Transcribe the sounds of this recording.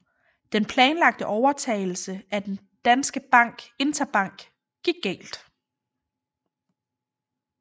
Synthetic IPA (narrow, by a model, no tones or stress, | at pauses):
d̥enpʰlɛːnlɑ̈ɡ̥̚d̥əʔɒʊɐt͡sʰɛ̰ːɪl̩səæd̥en | d̥ænsɡ̥əb̥ɑ̈ŋ̰ɡ̥e̝nd̥ʰɐb̥ɑ̈ŋ̰ɡ̥ | ɡ̥iɡ̥̚ːɛ̰ːld̥